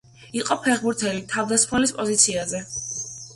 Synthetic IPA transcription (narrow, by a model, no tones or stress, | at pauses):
iqʼɔpʰɛʁbuɾt̪ʰɛlit̪ʰavd̪asχmɛlispʼɔzit̪sʰiazɛ